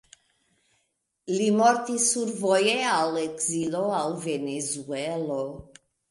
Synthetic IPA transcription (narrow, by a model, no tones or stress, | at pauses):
limɔɾt̪isuɾvojealekziloalvenezuɛlo